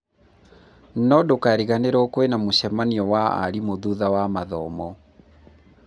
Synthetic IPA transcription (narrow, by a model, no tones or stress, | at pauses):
nɔdokaɾiɣaneɾɔkwenamoɕɛmaniɔwaa̰ɾimoðuðawamaðɔmɔ